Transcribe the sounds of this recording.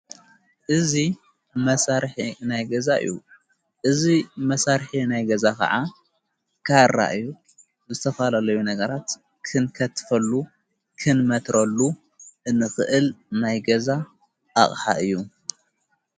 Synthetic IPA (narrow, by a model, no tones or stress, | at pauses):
ʔɨzi | mɐsaɾħinajɡɐzaɨ̰jːṵ | ʔɨzimɐsaɾħinajɡɐzakɐ̰ʕa | kʰaɾa̰ʔɨju | bɨzɨt̪ʰɐfalalɐjunɐɡɐɾat̪ | kʰɨnkʰɐt̪ʰfɐlːu | kʰɨnmɐt̪ɾʔɐlːu | ʔɨnɨxɨʔɨlnajɡɐza | ʔːχʼħa̰ʔɨjːu